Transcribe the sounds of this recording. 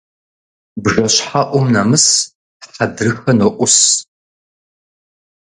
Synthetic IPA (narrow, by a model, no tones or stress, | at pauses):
bʒɐɕħaʔʷɔmnɐmɨs | ħɐdrɨxɐnoʔʷʊs